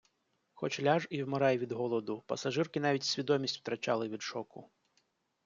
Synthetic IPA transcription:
xɔt͡ʃlʲaʒiwmeɾɑjʋʲid̪ɦɔlˠɔd̪ʊpɐ̰sɐʒɪrkɪn̪ɑʋʲitʲsʲʋʲid̪ɔmʲisʲtʲw̥t̪ɾɐt͡ʃɑlˠɪʋʲid̪ʃɔkʊ̰

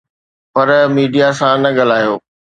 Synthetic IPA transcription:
pɐɾmiːɖijasãnɐɠɐl̤aːjoː

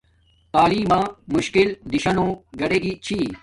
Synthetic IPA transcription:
t̪aːliːmãːmʊɕkɪld̪ɪɕɐnõːɡɐɽeːɡit͡ɕʰiː

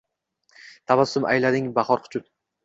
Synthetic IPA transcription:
t̪ʰavasːʊma̰jlad̪ɪŋbaχɒɾqʰʊ̥t͡ʃʰʊt̪̚

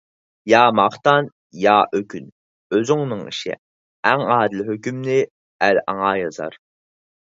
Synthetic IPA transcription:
jɑːmɑχt̪ɑn | jɑːʔøkʲʰyn | øzyŋnɨŋḭʃɪ̰ | æŋɑːd̪ɪlɪɦøkʲymnɪ | ælɑ̰ŋɑːjɑzɑ̰ɾ

